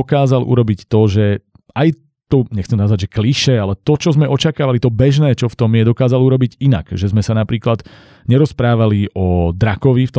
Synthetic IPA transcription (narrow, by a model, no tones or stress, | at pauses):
ɔkaːzalʔṵɾɔbict̪ɔʒɛ | aj | t̪ɔɲɛxt͡sɛmnazʋaɟʒɛkliʃɛalɛt̪ɔt͡ʃɔzmɛʔɔt͡ʃakaːʋalit̪ɔbɛʒnɛːt͡ʃɔft̪ɔmjɛd̪ɔkaːzaluɾɔbiɟina̰kʒɛzmɛsanapɾiːklad̪ | ɲɛɾɔspɾaːʋaliɔd̪ɾakɔʋift̪ɔ